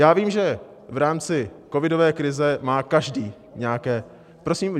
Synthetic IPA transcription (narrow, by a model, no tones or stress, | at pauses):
jaːviːmʒɛ | vɾaːmt͡sɪko̞vɪdo̞vɛːkɾɪzɛmaːkaʒdiː | ɲɛakɛː | pɾosiːm